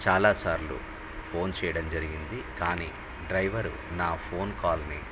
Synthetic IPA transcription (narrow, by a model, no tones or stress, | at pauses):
t͡ʃaːlaːsaːɾlṵ | pʰo̞ːnt͡ʃɛːjɐɽɐmd͡ʒɐɾiɡind̪ikaːnḭː | ɖɾɐjʋɐɾṵ | naːpʰo̞ːnkaːlnḭ